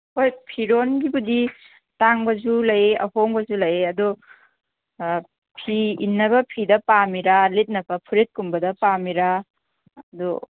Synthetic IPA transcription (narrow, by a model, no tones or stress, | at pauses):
hojpʰiɾonɡibudi | taŋbɐzulɐjeʔɐhoŋbɐzulɐjeɐdu | pʰiḭnːɐβɐpʰidɐpamiɾalet̚nɐpɐpʰuɾet̚kumbɐdɐpamiɾa | ɐdṵ